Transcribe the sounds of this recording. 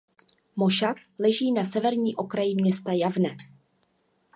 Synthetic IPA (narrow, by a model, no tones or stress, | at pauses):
mo̞ʃat̪lɛʒiːnasɛvɛɾɲiːʔo̞kɾajɪmɲɛst̪ajavnɛ